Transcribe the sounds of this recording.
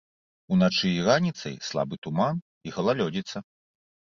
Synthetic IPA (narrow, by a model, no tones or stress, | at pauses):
unat͡ʂɨiranʲit̪sɐ̰jslˠa̰bɨt̪uman | iɣɐlˠalʲɔd͡zʲit̪sɐ